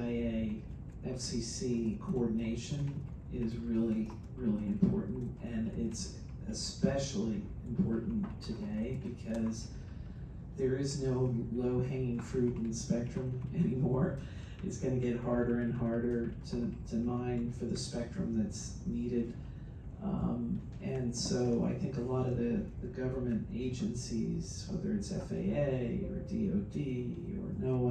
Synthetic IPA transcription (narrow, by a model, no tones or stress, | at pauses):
aɪeɪ | ʔɛfsisikʰoɔɹdⁿn̩eɪʃɨ̃n | ɪzɹɪlˠi | ɹɪlˠiɨ̃mpʰɔ̰ɹʔn̩tʔɨ̃nɪts | ɨspɛʃl̩ˠi | ɨ̃mpʰɔɹʔn̩tʰɨdeɪbɨkʰʌz | ðə˞ɪznoʊloʊɦæ̃ŋɪ̃ŋfɹʉɾ̃n̩ðspɛk̚tɹ̥ɨ̃mɛnimɔɹ | ɨtsɡ̥ʌnɨɡɛt̚hɑɹɾə˞ɨ̃nɦɑɹɾə˞ɾɨɾʰɨmãɪ̃nfə˞ðɨspɛk̚tɹ̥ɨ̰̃mðɨtsniɾɪd | m | ɨ̃nsoʊa̰ɪθɪ̃ŋkəlɔɾʌvðɨðɨɡʌvə˞mɨ̃nteɪd͡ʒɨ̃nsḭz̥wɛ̰ðə˞ɨtsɛ̰fḛɪeɪə̰˞dḭoʊdiə̰˞noʊʌ̃